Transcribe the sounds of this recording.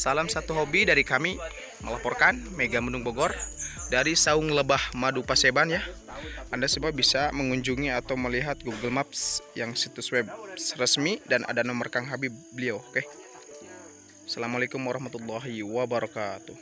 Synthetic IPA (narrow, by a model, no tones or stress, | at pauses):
salamsat̪uɦobidaɾikami | mə̰lapɔrkanmeɡamənʊŋboɡɔrdaɾisaʊŋləbahmadupasebanjahʔandasubaabisaməŋuɲd͡ʒuŋiat̪awməliɦat̪̚ɡuɡəlmap̚sjaŋsit̪uswɛbsrəsmidanʔa̰danɔmərkaŋɦabibəliawkɛh | salamalekʊmwaɾɔhmat̪ulːaɦiwabaɾɔkat̪u